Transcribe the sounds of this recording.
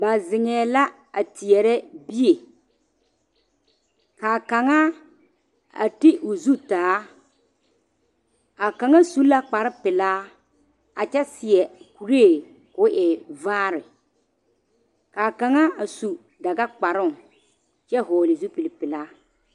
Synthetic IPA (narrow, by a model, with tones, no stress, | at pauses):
ba˨zɪ˨ŋɛː˨la˦ | a˨tɪ˨ɛ˨ɾɛ˦bi˦je˨ | kaː˨ka˨ŋa˦ | a̰˨tɪ˦ʔʊ˨zu˦taː˨˦ | a˨ka˨ŋa˦su˦la˦k͡pa˨ɾɪ˦pɪ˨laː˦ | a˨t͡ʃɛ˦sɪ˨ɛ˨ku˨ɾeː˦˨ | kʊ˦ʔɪ˨vaː˦ɾɪ˨ | kaː˨ka˨ŋa˦a˨su˨ | da˨ɡa˦k͡pa˨ɾʊ˦˨ | t͡ʃɛ˦ɦɔː˨lɪ˨zu˦pi˨lɪ˨pɪ˨laː˦